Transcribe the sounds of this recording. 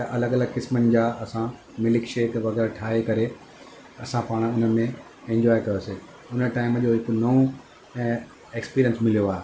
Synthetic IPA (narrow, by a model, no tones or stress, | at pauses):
ɐʔɐləɡɐləɡkɪsmənɪ̆d͡ʑaːɐsã | mɪlɪkʃeːkʋɐɣɛːɾʈʰaːɦekɐɾe | ɐsãpaːɽ̃ʊnəmẽ | ẽɲd͡ʑɔːjkɐjoseː | ʊnəʈaːɪmd͡ʑoːɦɪknɐũ | eːkspiːɾiənsmɪlijoaːɦe